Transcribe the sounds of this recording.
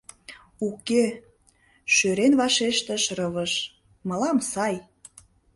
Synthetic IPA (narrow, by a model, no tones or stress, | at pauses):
uke | ʃøɾenβɑʃeʃt̪əʃrɤβəʃ | məlɑmsɑj